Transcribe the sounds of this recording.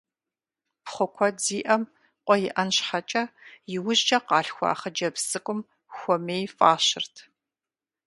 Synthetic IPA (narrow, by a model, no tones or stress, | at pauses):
pχʷɔkʷʰɔd͡ziːʔɐm | qʷʼɔjɪʔɐnɕħat͡ʃʼɐjɪwʊʑt͡ʃʼɐqɑːɬxʷɔ̰ːχɐd͡ʒɐbsɨkʷʼʊm | xʷɔmeːjfʼaːʃɪrtʰ